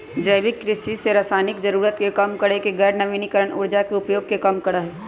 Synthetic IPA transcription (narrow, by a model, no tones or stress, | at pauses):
d͡ʒəɪʋɪkːɾɪʃiseɾaːsaːnɪkd͡ʒɐɾuːɾət̪kekɐmkəɽekeɡɛːɾnɐʋiːnikəɾəɽ̃ʊ̰ɾd͡ʒakeʊpjoːɡ̚kekɐmkɐɽaɦɛː